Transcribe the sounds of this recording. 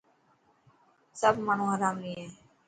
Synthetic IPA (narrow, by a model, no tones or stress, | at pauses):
səbməɳ̤ũːɦəɾaːmnĩːeː